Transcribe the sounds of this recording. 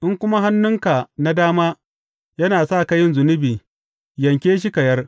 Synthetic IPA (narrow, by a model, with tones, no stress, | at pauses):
ʔɪ˦ŋkʷʊ˦ma˦ɦa˦nːʊ˦ŋka˨na˦daː˦maː˦ | jɐ˦naː˨sa˦˨ka˦jɪ˦nzʊ˨nɪ˦biː˨ | jɐ˨ŋkʲeː˦ʃ̬i˦kɐ˨jɐ˦r